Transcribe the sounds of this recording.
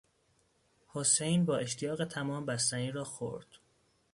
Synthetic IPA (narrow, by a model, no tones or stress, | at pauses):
hose̞jnbɒːʔe̞ʃt̪ʰijɒːɣe̞t̪ʰæmɒːmbæst̪æniːɾɒːxo̰ɾd̪̥